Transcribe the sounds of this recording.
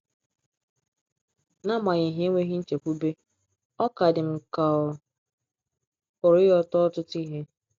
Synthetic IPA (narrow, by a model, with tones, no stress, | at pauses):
na˦ma˨ɣi˨ɦe˦ŋʷe˦ɦi˦n̩˦t͡ʃe˨kʷu˦be˦ | ɔ˦ka˨dɪ˨m̩˨ka˨ | ʊ˨ɾɪ˦jɔ˦tɔ˦tʊ˦ti˦ɦe˦